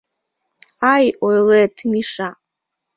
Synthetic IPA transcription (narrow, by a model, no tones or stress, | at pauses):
ajojletʰmiʂa